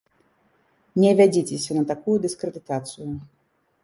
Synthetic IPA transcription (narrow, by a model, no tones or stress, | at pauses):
nʲɛvʲad͡zʲit͡sʲɛsʲɐnɐt̪akujud̪ɨskɾɛd̪ɨt̪at̪sɨju